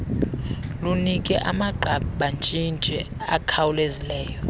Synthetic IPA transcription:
lunikʼɛ̰ʔamaǃʱaɓɓant͡ʃʼint͡ʃʼɛ | akʰawulezilɛːjɔ

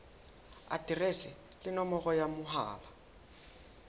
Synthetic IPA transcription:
a̰tʼiresɪ | lɪnɔmɔɣɔjamʊɦa̰ːla

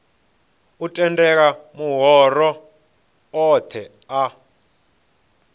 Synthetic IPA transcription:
utʼɛndɛk̬amuɦɔrɔ | ɔt̪ʰɛ | a

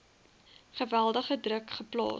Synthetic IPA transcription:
χəvælˠdəχədrəkχəplɑ̰ː

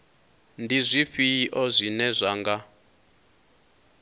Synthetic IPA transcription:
ndizʷiɸiʔɔzʷinɛzʷaːŋɡa

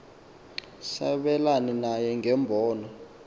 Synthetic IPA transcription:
sa̰ɓɛlanɛnajɛŋʱɛmbʱɔːnɔ

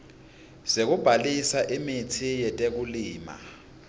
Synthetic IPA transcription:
z̥ek̬ub̥ʱalisaʔimitʰijɛtʼek̬uliːma̰

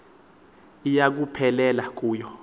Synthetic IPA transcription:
ijak̬upʰɛlɛlak̬ʼuːjɔ

